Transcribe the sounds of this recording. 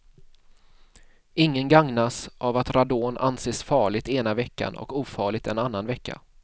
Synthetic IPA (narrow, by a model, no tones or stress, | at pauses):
ɪŋːənɡaŋnasʔavat̪ɾad̪oːna̰nseːsfɑːɭɪɡ̚t̪eːnavɛkːa̰nɔ̰kuːfɑːɭɪɡ̚t̪ɛnanːanvɛkːa̰